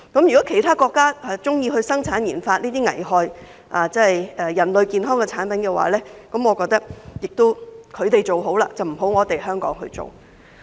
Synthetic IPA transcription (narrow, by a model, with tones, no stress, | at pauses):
kɐ˨˥mjy˨˩kɔː˨˥kʰe˨˩jt̪ʰaː˥kɔː˧kːaː˥ɐ˨t͡sʊ˥ŋjiː˧ɦɵ˧ɥsɐ˥ŋt͡sʰaː˨˥njiː˨˩nfaː˧t̚liː˥t̪iː˥ŋɐ̰˨˩jɦɔː˨˧j | ʔaː˨˩t͡sɐ˥hɐ˨jɛː˨˧jɐ˨˩nlɵ˨˧ɥkiː˨nɦɔː˥ŋkɛ˧t͡sʰaː˨˥npɐ˨˦nkɛ˧wa̰ː˨˥lɛː˥kɐ˨˥mŋɔː˨˧kɔː˧k̚t̪ɐ˥k̚jɪ˨k̚t̪o˥wkʰɵ˨˧ɥt̪e˨jt͡ʃo˨˩wɦo˨˥wlaː˧t͡sɐ˨wm̩˨˩ɦo˨˥wŋɔː˨˧˥t̪e˨jhœː˥ŋkɔ̰ː˨˥ŋɦɵ̰˧ɥt͡so̰˨w